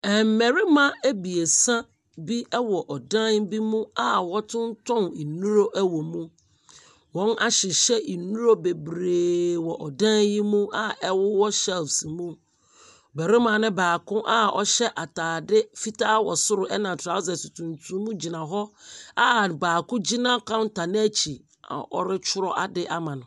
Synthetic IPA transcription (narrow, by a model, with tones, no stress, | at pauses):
ɛ˨m̩˨mɛ˨ɾɪ˦mã˦æ˦bi˨e˨sã˦ | bi˦ɛ˦wɔ˨ʔɔ˨dã˦nbi˦mũ˦a˨wɔ˦tʰʊ̃˦n˦tʰɔ̃˦ni˨nũ˦ɾo˦ʔæ˦wɔ˨mũ˦ | wɔ̃˦na˦ɕɪ˨ɕɛ˦i˨nũ˦ɾo˦be˨bɾeː˨wɔ˨ʔɔ˨dã˦nji˦mũ˦a˨ɛ˦wʊ˦wɔ˦ɕɛ˦lfsi˨mũ˦˨ | bæ˨ɾɪ˦mã˨nɪ̃˦baː˨kʊ̃˦ʔa˦ɔ˦ɕɛ˦ʔa˨taː˨dɪ˦fi˦ta˦wɔ̰˨sʊ˦ɾʊ˨ʔɛ˦nã˨tʰɾa˨˦zɛ˨su˨tʰũ˨ntʰũ˦mũ˦d͡ʑi˨nã˨ɦɔ˦a˦baː˨kʊ̃˦d͡ʑi˦nã˦kʰã˦n˦tʰa˨nɪ̃˦æ˦t͡ɕʰi˨ | a̰˨ʔɔ̰˦ɾɪ˦t͡ʃʰʊ˦ɾɔ˦ʔa˨dɪ˦ʔa˦mã˨nʊ̃˨